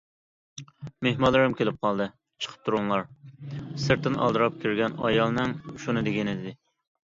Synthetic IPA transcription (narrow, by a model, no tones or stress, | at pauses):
mehmɑlˠːɨɾɨmkʲʰelɪp̚qʰɑlˠd̪ɨ | t͡ʃʰə̥qʰə̥p̚t̪ʰuɾuŋlˠɑɾ | sɨɾt̪ʰɪnʔɑ̰lˠd̪ɨɾɑp̚kʲʰyɾɡʲɛnɑ̰jɑlˠnɨŋuʃunɨd̪eɡʲɪnɪd̪ɪd̪ɪ